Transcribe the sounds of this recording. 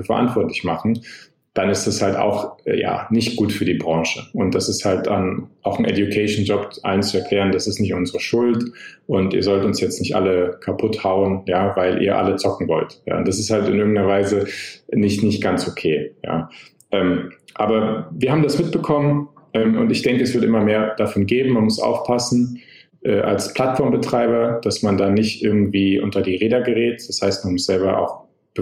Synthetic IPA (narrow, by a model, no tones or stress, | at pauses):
fɛɐʔa̰ntv̥ɔɐtlɪçmaχn̩ | d̥anɪstashalta̰ʊxja̰ːnɪçtɡ̥uːtfyːɐdiːbʁɑ̃ːʃəʊnt̚d̥asɪsthalt̚da̰nʔaʊxn̩ʔɛ̰djukʰɛɪʃn̩d͡ʒɔpʔa̰lənt͡suɛɐkʰl̥ɛːʁəndasɪstnɪçtʔʊnzəʁəʃʊltʔʊntḭːɐzɔltʊnsjɛt͡stnɪçtʔa̰ləkʰapʰʊthaʊənjaːvaɪlʔḭːɐʔa̰lət͡sɔkŋ̩vɔ̰ltja̰ːʊntd̥asɪsthaltɪnʔɪɐɡŋ̩tnɐvaɪzənɪçtnɪçtɡ̥ant͡sʔokʰeːja̰ː | ʔɛːmʔa̰ːbɐviːɐɦaːbm̩dasmɪt̚b̥əkʰɔmənʔɛːmʔʊ̰ntɪçd̥ɛŋkəɛsv̥ɪɐtʔɪmɐmeːɐd̥afɔnɡeːbm̩manmʊsʔa̰ʊfpʰasn̩ | ʔɛːʔa̰lspʰl̥atfɔɐmbətʁ̥aɪbɐd̥asmandaːnɪçtʔɪɐɡŋ̩tv̥iːʔʊntɐdiːʁeːdɐɡəʁɛːtd̥ashaɪstmanmʊsz̥ɛlbɐʔa̰ʊx | b̥ə